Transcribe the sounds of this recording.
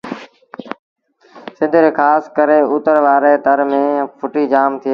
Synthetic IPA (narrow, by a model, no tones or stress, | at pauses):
sɪ̃nd̪ʱɾeːkʰaːskəɾeːʊt̪əɾʋaːɾeːt̪əɾmẽːpʰʊʈiːd͡ʒaːmt̪ʰɪjeː